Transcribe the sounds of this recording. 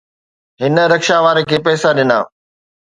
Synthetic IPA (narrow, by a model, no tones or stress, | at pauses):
ɦɪnə̆ɾɐkʃaʋaːɾəkʰeːpɛːsaɗɪna̰ː